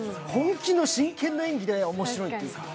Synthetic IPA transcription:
hõŋkʲino̞ɕĩŋkʰẽ̞nːo̞ẽŋɡʲid̪e̞omo̞ɕiɾo̞it̪ejiɯ̰ka

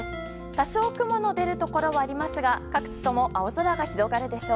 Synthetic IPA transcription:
s | t̪aɕo̞ːkɯ̟mo̞no̞d̪e̞ɾɯ̟t̪o̞ko̞ɾo̞βaːɾʲimasɨɡakakɯ̟̥t͡ɕi̥t̪o̞mo̞ʔaozoɾaɡaçiɾo̞ɡaɾɯ̟d̪e̞ɕo̞ː

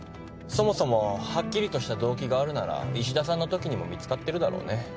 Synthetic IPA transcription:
so̞mo̞so̞mo̞hakʲːiɾʲit̪o̞ɕi̥t̪ad̪o̞ːkʲiɡaːɾɯ̟naɾa̰iɕ̬id̪asãnːo̞t̪o̞kʲiɲ̟imo̞̰mʲit͡sɨ̥kat̪ːe̞ɾɯ̟d̪aɾo̞̰ːne̞

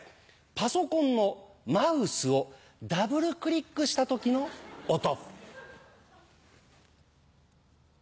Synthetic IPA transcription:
paso̞kõ̞nːo̞maɯ̟sɨo̞ | d̪abɯ̟ɾɯ̟kɯ̟ɾʲikːɯ̟ɕi̥t̪at̪o̞kʲino̞ːt̪o̞

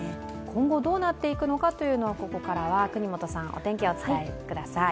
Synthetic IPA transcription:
kʰõ̞ŋɡo̞d̪o̞ːnat̪ːe̞ikɯ̟no̞kat̪o̞jɯ̟ːno̞ːko̞ko̞kaɾaβakɯ̟ɲ̟imot̪o̞sãŋ̃ʔo̞̰t̪ẽ̞ŋkʲeo̞t͡sɨ̥kaekɯ̟d̪asai

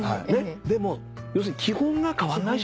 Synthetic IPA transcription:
ne̞d̪e̞mo̞ | jo̞ːs̬ɯ̟ɲ̟ikʲʰihõ̞ŋɡakaβanːai

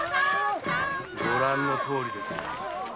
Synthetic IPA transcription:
ɡoɾãnːo̞t̪ʰo̞ːɾʲid̪e̞sɨ

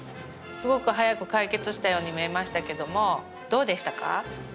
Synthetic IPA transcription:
sɨɡo̞kɯ̟ɦajakɯ̟kaike̞t͡sɨɕi̥t̪ajo̞ːɲ̟imie̞maɕi̥t̪ake̞d̪o̞mo̞ | d̪̥o̞ːd̪e̞ɕi̥t̪aka̰

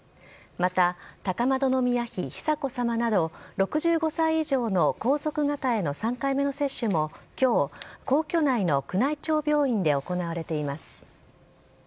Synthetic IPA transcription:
mat̪at̪akamad̪o̞no̞mʲijaçiçi̥sako̞samanad̪o̞ɾo̞kɯ̟ʑɨːɡo̞saiiʑo̞ːno̞ko̞ːso̞kɯ̟ɡat̪ae̞no̞sãŋkaime̞no̞se̞ɕːɯmo̞kʲo̞ːko̞ːkʲo̞naino̞kɯ̟nait͡ɕo̞ːbʲo̞ːĩnd̪e̞o̞ko̞naβ̞aɾe̞t̪e̞imasɨ̥

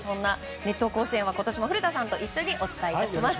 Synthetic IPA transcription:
sõ̞nːa | ne̞t̪ːo̞ːko̞ːɕiẽβako̞t̪o̞ɕimoɸɯ̟ɾɯ̟t̪asãnt̪o̞ʔiɕːo̞ɲ̟iʔo̞t͡sɨ̥t̪aiːaɕimas

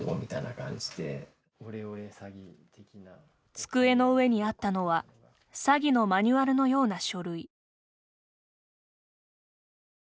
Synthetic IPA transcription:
mo̰mʲit̪ainakã̰ɲ̟d͡ʑi̥d̪e̞̰ | oɾeoesaɡʲit̪ekʲina | t͡sɨ̥kɯ̟e̞no̞ɯ̟e̞ɲ̟iat̪ːano̞β̞a | saɡʲino̞maɲ̟ɨβaɾɯ̟no̞jo̞ːnaɕo̞ɾɯ̟i

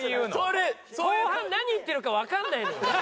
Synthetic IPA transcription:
soɾesonaɲ̟iːt̪ːe̞ɾɯ̟kaβakanːaino

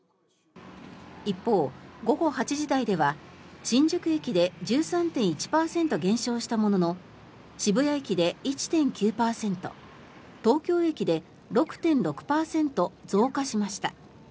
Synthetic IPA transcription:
ipːo̞ːɡo̞ɡo̞hat͡ɕiʑid̪aid̪e̞βaɕĩɲ̟d͡ʑɨkɯ̟e̞kʲid̪e̞d͡ʑɨːsãnt̪ẽ̞ɰ̃it͡ɕi̥paːsẽ̞nt̪o̞ɡẽ̞ɰ̃ɕo̞ːɕi̥t̪amo̞no̞no̞ | ɕibɯ̟jaikʲid̪e̞it͡ɕi̥t̪ẽ̞ŋkʲɨːpaːsẽ̞nt̪o̞̰ | t̪o̞ːkʲo̞ːe̞kʲid̪e̞ | ɾo̞kɯ̟̥t̪ẽ̞nɾo̞kɯ̟̥paːsẽ̞nt̪o̞d͡zo̞ːkaɕimaɕi̥t̪a

